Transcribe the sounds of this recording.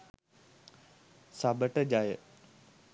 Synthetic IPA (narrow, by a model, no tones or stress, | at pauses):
saːbəʈəd͡ʒaːje